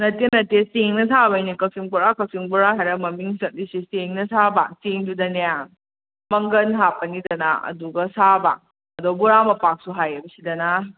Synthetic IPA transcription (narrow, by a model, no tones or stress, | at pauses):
nɐtenɐtesteŋnɐtʰabɐjnikɐsiŋbuɾakɐsiŋbuɾaɦajɾɐmɐmiŋsɐt̚disisteŋnɐtʰabaseŋdudɐnejaŋ | mɐŋɡɐnɦapːɐnidɐnaɐ̰duɡɐsaba̰ | ɐdobuɾamɐpak̚suɦajɐbɐsidɐna